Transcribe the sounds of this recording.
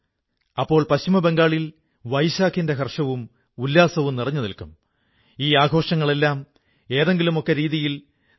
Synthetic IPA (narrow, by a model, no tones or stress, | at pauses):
ɐpːo̞ːɭpɐɕimɐbe̞ŋɡaːɭil | ʋɐjɕaːkʰinde̞kɐrʂɐʋum | ulːaːsɐʋumnirɐɲːɐðilkum | iːaːɡʱo̞ːʂɐŋːɐɭelːaːm | e̞ːðe̞ŋɡilumo̞kːe̞ɾiːðijil